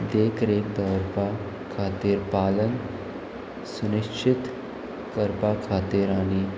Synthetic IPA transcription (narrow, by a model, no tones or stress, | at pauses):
d̪eːkʰɾeːk̚d̪əɾpa | kʰaːt̪iːɾpaːlən | sʊnɪkt͡ʃʰɪt̪ | kəɾpakʰaːt̪iːɾaːniː